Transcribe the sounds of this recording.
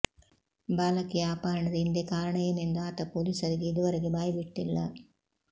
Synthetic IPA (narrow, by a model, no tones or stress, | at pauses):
baːlɐkːɯjjaːpaːɾɐɳɐðɯɪnd̪ekaːɾɐɳɐjɐnɛnd̪aːt̪ːɐpoːlisɐɾikɯɪðɯʋɐɾɐɣɯbaːjʋɪʈːɪlːɐ